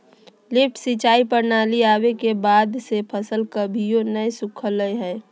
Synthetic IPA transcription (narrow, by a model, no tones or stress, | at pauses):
lɪp̚ʈsit͡ʃaːipəɾnaːliaːwekebaːd̪sepʰəsəlkəbʱijonəjsʊkʰələjɦɛː